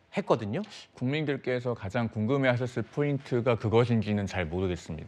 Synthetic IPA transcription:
het̚k͈ʌdɯɲokuŋmindɯɭk͈e̞sʰʌkad͡ʑaŋkuŋɡɯme̞ɦaɕ̬ʰʌs͈ɯɭpʰointʰɯɡakɯɡʌɕ̬ʰind͡ʑinɯnt͡ɕaɭmoɾɯɡe̞s͈ɯmɲḭda

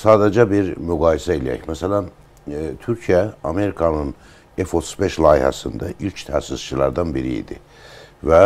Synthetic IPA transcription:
saːd̪ed͡ʒɛbiɾmyɡaːjisɛilʲḛɛ̰cmɛselʲan | t̪ʰyɾcʰijɛame̞ɾikʰanɯn | ɛfo̞t̪ʰuzbɛʃlˠaːjiha̰sɯnd̪aʔilʲct̪ʰæ̰ːsiz̥t͡ʃʰɯlˠa̰ɾd̪anbiɾḭḭd̪ḭ | vɛ

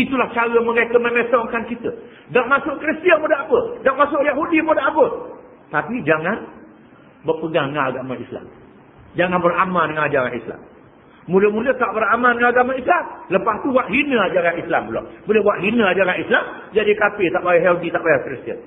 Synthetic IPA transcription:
it̪ulaht͡ʃaɾəmə̃ɾekəmə̃met̪ɔŋkankit̪ə | ɡaʔmasʊʔkɾist̪iənmudaʔapədaʔmasʊʔjaɦudimudaʔapə | t̪apid͡ʒaŋan | bərpəɡaŋŋaaɡamaisla̰m | d͡ʒaŋanbəramandəŋanad͡ʒaɾa̰nisla̰mː | uləmulət̪aʔbəɾamandəŋanaɡamaislamləpast̪uwaʔɦinəad͡ʒaɾanisla̰mbəlɔ̰boləhwaʔɦinəad͡ʒaɾanislam | d͡ʒadikapɪt̪aʔbajahɛldit̪aʔbajakɾist̪ə̰n

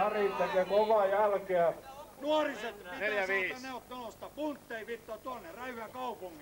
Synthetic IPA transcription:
æriˑt̪ːekekoʋɑjælkeænuɑriset̪ineljæʋiːneot̪nenost̪ɑpunt̪ːeipit̪ːoːt̪uɑnːeræyhyækɑupuŋːi

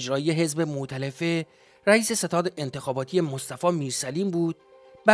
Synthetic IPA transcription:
d͡ʒɾɒːije̞ɦe̞zbe̞mot̪ʰælefe | ɾæiːse̞se̞t̪ʰɒːd̪eʔent̪ʰe̞xɒːbɒːt̪ʰije̞most̪æfɒːmiːɾsæliːmbuːd̪̥̚ | bæ

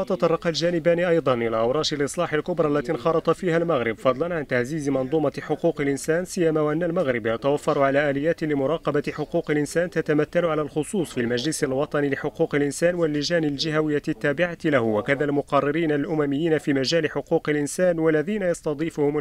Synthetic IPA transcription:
t̪ɑt̪ˤɑrˤːɑqɑld͡ʒaːnɪbaːniʔɑjd̪ˤɑnʔɪlaːʔawɾˤɑːʃɪlʔɨsˤlɑːħɪlkʊbɾˤɑːlːat̪inxɑɾˤɑt̪ˤɑfiːhalmaɣɾɪbfɑd̪ˤlɑnʕant̪aʕziːzmɑnd̪ˤuːmɑħʊquːqɪlʔɪnsaːnsɪjːamaːwaʔanːalmaɣɾɪbjɑt̪awafːɑɾˤʕalaːʔaːlɪjːaːt̪ɪlɪmʊɾˤɑːqɑbaħʊquːqɪlʔɪnsaːnt̪at̪amat̪ːalʕalalxʊsˤuːsˤfilmad͡ʒlɪsalwɑt̪ˤɑnilɪħʊquːqɪlʔɪnsaːnwalːɪd͡ʒaːnɪld͡ʒɪhawɪjːat̪ːaːbɪʕalahʊwakaðalmʊqɑrˤːɪɾiːnalʔʊmamɪjːiːnafiːmad͡ʒaːlɪħʊquːqɪlʔɪnsaːnwalːaðiːnajɑsˤt̪ɑd̪ˤiːfʊhʊm

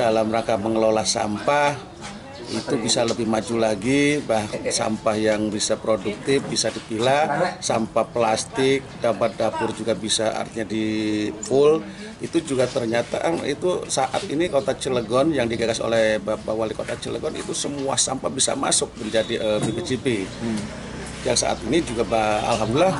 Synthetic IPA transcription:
dalamɾakaməŋəlolahsa̰mpah | ḭt̪ubisaləbɪhmad͡ʒulaɡibahsa̰mpahjaŋbisapɾoduk̚t̪ɪfbisadipilahsa̰mpaplast̪ɪk̚dampat̪̚dapʊrd͡ʒuɡabisaa̰rt̪iɲadipʊl | it̪ud͡ʒuɡat̪ərɲat̪a̰ḭt̪usaʔa̰t̪inikot̪at͡ʃələɡɔnjaŋdiɡaɡaso̰lɛhbapawalikot̪at͡ʃələ̰ɡɔnḭt̪usəmua̰sa̰mpabisa̰ma̰sʊk̚məɲd͡ʒadiʔəbibet͡ʃipi | jaŋsa̰ʔa̰t̪inid͡ʒuɡabaa̰lɦamdullah

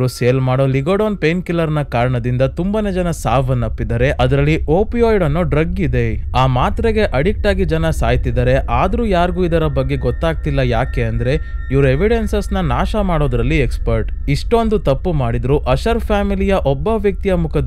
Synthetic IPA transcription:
ɾuseːlmaːɽoːliɡoɽoːnpenkilːɐɾnɐkaːɾɐɳɐd̪ind̪ɐt̪umbɐned͡ʒɐnɐsaːʋɐnːɐpːid̪ɐɾe̞ʔɐd̪ɐɾɐlːioːpioːjɽɐnːuɖɾɐɡːid̪e̞aːmaːt̪ɾeɡe̞ʔɐɽik̚ʈaːɡid͡ʒɐnɐsaːjt̪id̪ɐɾe̞ʔaːd̪ɐɾuːjaːɾɡuːid̪ɐɾɐbɐɡːe̞ɡɔt̪ːaːɡ̚t̪ilːɐjaːke̞ɐnd̪ɐɾe̞ | iʋɾueʋiɽe̞nsɐsnɐnaːʃɐmaːɽoːd̪ɾɐlːiekspɐɾʈ | iʂʈo̞nd̪ut̪ɐpːumaːɽid̪ɾuʔɐʃɐɾpʰaːmilijɐʔɔbːɐʋjɐk̚t̪ijɐmukʰɐ

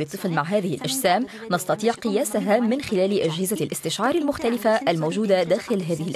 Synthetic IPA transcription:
lɨt̪ˤːɨflmaʕɦaːðɪhɪlʔaʒsaːm | nɑst̪ɑt̪ˤiːʕqɨjaːsaɦamɪnxɪlaːlʔad͡ʒhɪzalʔɪst̪ɪʃʕɑːɾˤalmʊxt̪alɪfaʔalmoːʒuːd̪ad̪aːxɪlɦaːðɪhɪlʔ

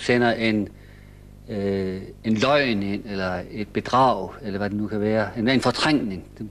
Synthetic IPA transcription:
sen̰ɐʔe̝n | e̝nlɒɪne̝n̰elɐe̝d̥̚b̥e̝d̥ʁɑ̈ʊ̰elɐʋæd̥enukʰæʋæːɐenenfɒ̽t͡sʰʁaŋ̰ne̝ŋd̥e

